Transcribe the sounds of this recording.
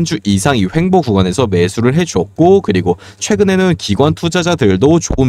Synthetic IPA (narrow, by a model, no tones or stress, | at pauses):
nd͡ʑuʔisʰaŋiɸwe̞ŋboɡuɡwane̞sʰʌme̞sʰuɾɯɭɦe̞d͡ʑuʌk̚k͈okɯɾiɡo | t͡ɕʰwe̞ɡɯne̞nɯnkiɡwantʰud͡ʑad͡ʑadɯɭdot͡ɕo̰ɯn